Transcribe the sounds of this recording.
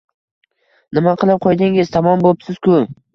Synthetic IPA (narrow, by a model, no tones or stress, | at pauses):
nɪmaqʰɨlˠɪp̚qʰojd̪ɪŋɪz̥t̪ʰamɒmbopsɪz̥kʰʊ